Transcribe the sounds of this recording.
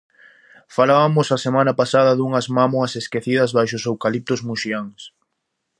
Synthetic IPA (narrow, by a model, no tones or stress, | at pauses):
falaβɐmʊsɐsemanɐpasaðɐðuŋɐzmamoɐseskeθiðɐzβajʃʊsewkalip̚t̪ʊzmuʃiaŋs